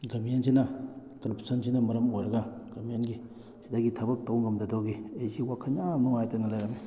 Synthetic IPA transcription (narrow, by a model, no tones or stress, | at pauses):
ɡɐmijensinɐkɾpʰsɐnsinɐmɐɾɐmojɾɐɡaɡ̥ɐmijenɡi | sidaɡitʰɐbɐk̚towŋɡɐmdɐdɔɡiejsiwakʰaɲamnuŋajtɐnɐlajɾani